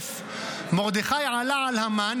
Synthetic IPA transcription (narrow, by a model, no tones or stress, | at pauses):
f | moɣd̪ɪxajʕalaʕalhaman